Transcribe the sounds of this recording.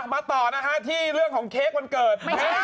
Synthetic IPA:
maː˧t̪ɔː˨˩na˦˥kʰa˦˥t̪ʰiː˥˩ɾɯ˥˩əŋkʰɔː˩˦ŋkʰeː˦˥k̚ma˧nkɤː˨˩t̪̚ː

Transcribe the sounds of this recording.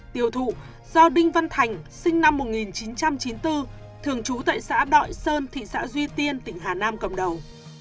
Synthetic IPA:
t̪i˨˩əwt̪ʰṵ˧˨ | zɔ˧ɗï˧ŋ̟va˧nt̪ʰa˨˩jŋ̟sï˧ŋ̟na˧mːo˨˩t̚ŋi˨˩nt͡ɕi˨˦nt͡ɕa˧mt͡ɕi˨˦nt̪ɨ˧ | t̪ʰɨ˨˩əŋt͡ɕu˨˦t̪a̰ː˧˨jsa̰ː˧˥ɗɔ̰˧˨jsəː˧nt̪ʰḭ˧˨sa̰ː˧˥zwi˧t̪i˧ənt̪ï˧˩ŋ̟ɦaː˨˩naː˧mkə̰˧˨˩mɗə˨˩w

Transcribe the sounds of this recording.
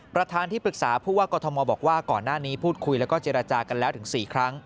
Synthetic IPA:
pɾa˧t̪ʰaː˧nt̪ʰiː˥˩pɾɯ˨˩k̚saː˩˦pʰuː˥˩waː˥˩kɔː˧t̪ʰɔ˧mɔː˧bɔː˨˩k̚waː˥˩kɔː˨˩nːaː˥˩niː˦˥pʰuː˥˩t̪̚kʰu˧jlɛ˦˥wkɔː˥˩t͡ɕeː˧ɾa˧t͡ɕaː˧ka˧nlɛː˦˥wt̪ʰɯ˩˦ŋsiː˨˩kʰɾa˦˥ŋ

